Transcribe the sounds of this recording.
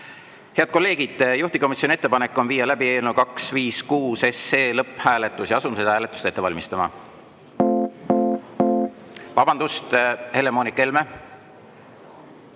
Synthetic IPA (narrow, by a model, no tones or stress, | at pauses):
he̞ɑd̪̚ko̞lːe̞ːɡ̥id̪̥juht̪iko̞misʲjonie̞t̪ːe̞pɑnekːˑo̞nviːɑlæbie̞ːlnukɑksviːskuːse̞sːeːlɤpːˑhæːle̞t̪ːˑusjɑɑsumsed̪hæːle̞t̪ːˑu̥st̪e̞t̪ːevɑlʲmist̪ɑmɑ̰ | vɑb̥ɑnd̪ust̪he̞le̞mo̞ːnikːe̞lme̞